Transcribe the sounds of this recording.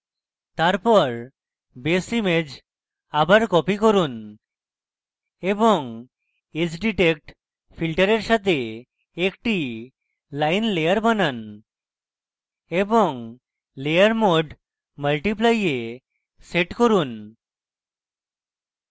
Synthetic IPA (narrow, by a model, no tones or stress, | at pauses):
t̪aɾpɔɾ | besimed͡ʑ | abaɾkɔpikoɾun | eboŋ | ed͡ʑɖiʈek̚ʈ | pʰilʈəɾeɾʃat̪e | ekʈi | lajnlejaɾbanan | eboŋ | lejaɾmoɖ | məlʈiplaje | seʈkoɾun